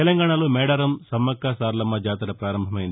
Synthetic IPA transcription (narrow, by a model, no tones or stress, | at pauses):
elɐŋɡaːɳɐloːmɛːɽɐɾɐmsɐmːɐkːaːsaːɾlɐmːɐd͡ʒaːt̪ɐɾɐpɾaːɾɐmbʱɐmɐjind̪i